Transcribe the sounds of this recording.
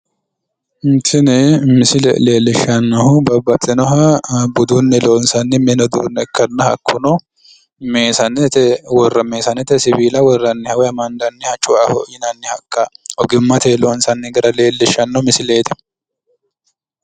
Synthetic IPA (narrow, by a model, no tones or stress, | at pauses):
nt̪ɪnɛmɪsɪlɛ̰leːlːɪʃɐnːɐhʊbɐbɐt̪ʼːɪnɔɦɐbʊd̪unːɛloːnsɐnːɪmɛnɔd̪ṵːnːɛkːɐnːɐhɐkʰːʊnɔ | meːsɐnɛwɔrːɐmeːsɐnɛt̪ɛsɪbiːlɐwɔrːɐnːɪhɐwɛɐmɐnd̪ɐnːɪhɐt͡ʃʼʊʔahɔjɪnɐnːɪhɐkʼːɐʔɔɡɪmːɐt̪ɛloːnsɐnːɪɡɐɾɐle̞ːlːɪʃɐnːɐmɪsɪleːt̪ɛ̥